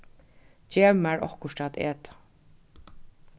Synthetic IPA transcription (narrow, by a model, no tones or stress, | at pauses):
d͡ʒeːmæɹɔ̰hkʊʂtat̪ḛːt̪ḁ